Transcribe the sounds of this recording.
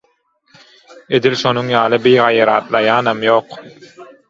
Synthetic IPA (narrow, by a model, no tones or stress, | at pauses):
ed̪ilʃonuŋjɑːlˠɯbijʁɑjɑɾɑ̰ːt̪lˠɑjɑːnɑmjoːq